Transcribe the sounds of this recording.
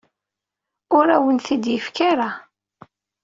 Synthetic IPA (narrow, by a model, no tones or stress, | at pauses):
ʊɾæwənθid̪jəfkaɾa